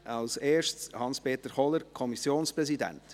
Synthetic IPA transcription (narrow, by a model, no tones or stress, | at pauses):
ʔɑlseːʃtshɑnspʰeːt̪əχɔləɾkʰɔmisjoːnspɾɛsidæ̰nt